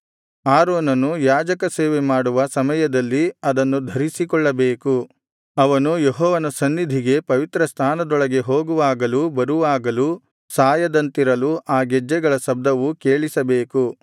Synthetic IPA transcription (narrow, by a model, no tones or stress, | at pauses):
aːɾɔːnɐnujaːd͡ʒɐkɐseːʋemaːɽuʋɐsɐmɐjɐd̪ɐlːiɐd̪ɐnːud̪ʱɐɾisikɔɭːɐbeːku | ɐʋɐnujeɦɔːʋɐnɐsɐnːid̪ʱiɡe̞pɐʋit̪ɾɐst̪ʰaːnɐd̪ɔɭɐɡe̞ɦo̞ːɡuʋaːɡɐlubɐɾuʋaːɡɐlu | saːjɐd̪ɐnt̪iɾɐluʔaːɡɛd͡ʒːɛɡɐɭɐsɐb̚d̪ɐʋukeːɭisɐbeːku